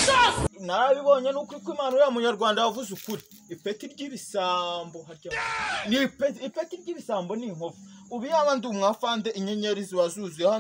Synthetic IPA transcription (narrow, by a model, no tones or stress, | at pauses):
anaɾaβiβo̞ɲenukuikwiːmaːnujamuɲaɾɡwaːndaavuzukuɾiː | petiɾɟiːβisaːmbo̞ɦaɾɟanipetipetiɾɟiːβisaːmbo̞niŋofu̥uβijaβaːndumŋafaːndeʔiɲeɲeɾiziwazuzijeha